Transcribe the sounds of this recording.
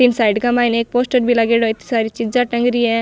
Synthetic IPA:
t̪iːnsajɖkamainek̚posʈəɾbʱilaɡeɽɔit̪i̥saɾit͡ʃiaʈə̃ŋɡɾie

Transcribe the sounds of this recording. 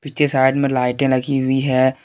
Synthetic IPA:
pit͡ʃesaːɪɖmẽlaːɪʈẽlɐɡiɦʊiɦɛː

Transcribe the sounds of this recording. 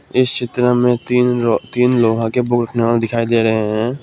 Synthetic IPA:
ɪst͡ʃʰɪt̪ɾəmẽt̪ːt̪iːnloːɦãkebʊkɾəkʰneʋaːled̪ɪkʰaːid̪eːɾəɦeɦɛ̃ː

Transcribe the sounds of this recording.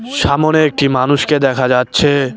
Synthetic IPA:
ʃamoneek̚ʈimanuʃked̪ɛkʰad͡ʒatːɕʰe

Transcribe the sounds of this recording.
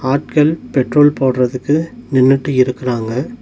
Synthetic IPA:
aːʈ̚kɐlpɛʈroːlpoːɽrɐðɯkːɯnɪnːɯʈːɯɪɾɯkːɪraːŋɡɐ

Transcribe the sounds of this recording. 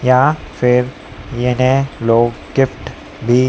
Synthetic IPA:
jaː | fɪɾ | jenẽloːɡ | ɡɪfʈ | bʱi

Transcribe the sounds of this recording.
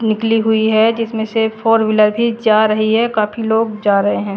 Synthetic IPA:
nɪkliɦʊiɦɛd͡ʒɪsmẽsefʰoːɾʋɪləɾbʱid͡ʒaːɾɐɦiɦɛkaːpʰiloːɡd͡ʒaːɾɐɦeɦɛ̃ː

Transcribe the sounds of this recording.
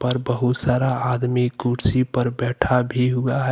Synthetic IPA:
pəɾbəɦʊt̪saːɾaad̪mikuɾsipəɾbɛːʈʰabʱiɦʊaɦɛ

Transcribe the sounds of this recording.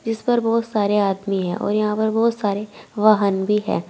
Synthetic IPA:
d͡ʒɪspɐɾbɔːt̪saːɾeaːd̪miɦɛ̃ʔɔ̰ːɾjɐɦãpɐɾbɔːt̪saːɾeʋɐɦənbʱiɦɛ̰ː

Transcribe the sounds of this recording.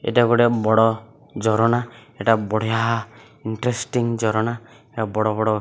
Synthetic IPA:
ḛʈaɡɔɽebɔɽɔ | d͡ʒɔɾɔnaɛʈabɔɽ̤jaɦa | iɳʈɾesʈiŋd͡ʒɔɾɔna | ɛʈabɔɽɔbɔɽɔ

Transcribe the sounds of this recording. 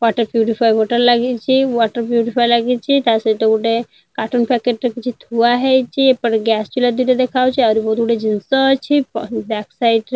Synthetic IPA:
waʈəɾpjuʈipʰajɔʈəɾlaɡit͡ʃʰiwɔʈəɾpjuʈipʰajlaɡit͡ʃʰit̪aseʈeuʈe | kaʈunpɛkeʈɾekit͡ʃʰut̪ʰuaɦɛjt͡ʃʰiepəɾɡɛst͡ʃulad̪iʈed̪ekʰawt͡ʃʰiaɾibɔd̪ʱuʈed͡ʒinsɔt͡ʃʰipbɛksajʈ

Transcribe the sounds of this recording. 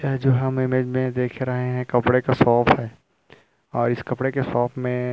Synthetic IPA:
ɛd͡ʒoːɦɐmɪmed͡ʒmẽd̪eːkʰɾɐɦeɦɛ̃kɐpɽekasɔːpʰɦɛː | ɔːɾɪskɐpɽekesɔːpʰmẽ

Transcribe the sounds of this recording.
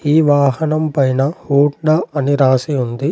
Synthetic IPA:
iːʋaːɦɐnɐmpɐjnɐhuːʈɽɐɐniɾaːsiund̪i

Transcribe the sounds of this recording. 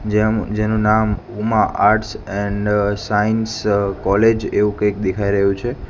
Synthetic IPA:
d͡ʒed͡ʒenũnam | umaʔaɾʈsɛɳɖsainskɔled͡ʒeʋũkəjk̚d̪ekʰaiɾəɦjũt͡ʃʰe

